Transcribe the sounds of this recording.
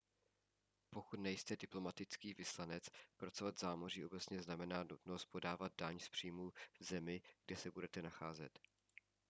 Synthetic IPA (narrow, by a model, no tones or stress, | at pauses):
po̞kut̪nɛjst̪ɛdɪplo̞mat̪ɪt͡skiːvɪslanɛt͡spɾat͡sovat̪zaːmoriːʔo̞bɛt͡sɲɛznamɛnaːnut̪no̞st̪̚po̞daːvad̪̚daɲspr̝̥iːmuːvzɛmɪɡdɛsɛbudɛt̪ɛnaxaːzɛ̰t̪